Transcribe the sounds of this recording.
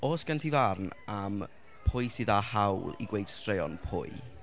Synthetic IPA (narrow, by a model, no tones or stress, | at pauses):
oːsɡ̥antʰivarnam | pʰʊɨsɨðahawlˠḭɡwejd̥strejɔ̰npʰʊ̰j